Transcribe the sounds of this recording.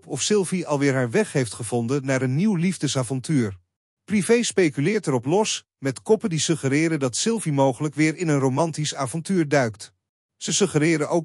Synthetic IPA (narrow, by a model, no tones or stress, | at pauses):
pɔfsɪlˠviɑlˠʋɪːɹɦaːɹʋɛχɦejftχəvɔndənːaːɾənːiwlivdəsaːvɔntyːɹ | privejspejkylɪːɹtɛɾɔplɔs | mɛtkɔpəndisɵχəɾɪːɾəndɑtsɪlˠvimowχələkʋɪːɹɪnənrowmɑntisaːvɔntyːɹdœɥkt | səsɵχəɾɪːɾənʔow